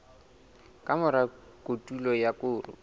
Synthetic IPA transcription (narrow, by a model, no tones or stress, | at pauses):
kʼamʊɾakʼotʼulɔjakʊːrʊ̰